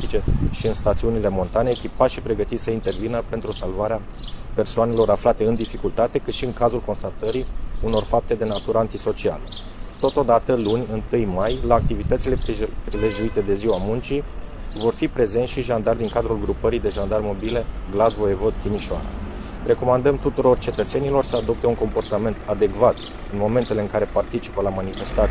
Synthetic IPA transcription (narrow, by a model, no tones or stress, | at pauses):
it͡ʃe̞ʃiɨnst̪at̪siunile̞mo̞nt̪ane̞ːkʲipat̪ʃipɾe̞ɡət̪it̪səint̪e̞rvinəpe̞nt̪ɾusalvaɾea | pe̞rsoane̞lo̞ɾaflat̪e̞ɨnd̪ifikult̪at̪e̞kɨt̪ʃiɨŋkazulko̞nst̪at̪əɾiuno̞rfap̚t̪e̞d̪e̞nat̪uɾəant̪iso̞t͡ʃia̰lə | t̪o̞t̪o̞d̪at̪əlunʲɨnt̪ɨjmajlaːk̚t̪ivit̪ət̪sile̞pɾileʒuit̪e̞d̪e̞ziwamunt͡ʃivo̞rfipɾe̞ze̞nsʃiʒand̪ard̪iŋkad̪ɾulɡɾupəɾid̪e̞ʒand̪armo̞bile̞ɡlad̪vo̞evo̞d̪̚t̪imiʃoa̰ɾa̰ | re̞ko̞mand̪əmt̪ut̪uɾo̞rt͡ʃe̞t̪ət̪se̞nilo̞rsəad̪o̞p̚t̪e̞uŋko̞mpo̞rt̪ame̞nt̪ad̪e̞kvat̪ | ɨnmo̞me̞nt̪e̞le̞ɨŋkaɾe̞part̪it͡ʃi̥pəlamanife̞st̪at